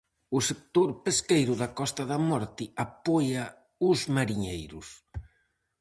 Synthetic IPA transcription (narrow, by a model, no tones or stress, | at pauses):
ʊsek̚t̪oɾpeskejɾʊðakɔst̪ɐðɐmɔɾt̪ɪapɔja | ʊzmaɾiɲejɾʊs